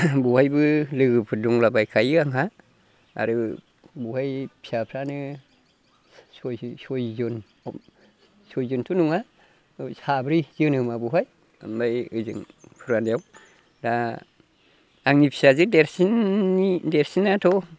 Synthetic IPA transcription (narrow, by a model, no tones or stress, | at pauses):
buhajbɯlɯɡɯpʰɯduŋlabajkʰajɯaŋɦa | a̰ɾɯ | buhajpʰi̥sapʰɾanɯ | sɔjsɔjzɯn | sɔjzɯntʰunuŋa | sabɾizɯnhɯmabuɦaj | ambajɯzɯ̰ŋpʰɯɾanijaw | da | ŋnipʰi̥sazɯdeɾsinideɾsinatʰɔ